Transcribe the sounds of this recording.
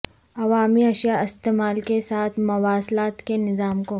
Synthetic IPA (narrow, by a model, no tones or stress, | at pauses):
ɐʋaːmiɐʃjaɪst̪eːmaːlkesaːt̪ʰmɐwaːslaːt̪kenɪzaːmko